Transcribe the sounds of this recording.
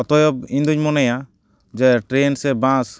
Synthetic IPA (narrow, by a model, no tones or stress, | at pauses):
ɔt̪ɔjɔb̚ĩɲd̪uɲmɔnɛja | d͡ʒɛʈɾensɛbãs